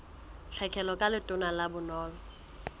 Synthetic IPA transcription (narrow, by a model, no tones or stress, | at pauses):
ɬʰɛkʰɛlɔkʼalɪtʼʊnalabʊnɔːlɔ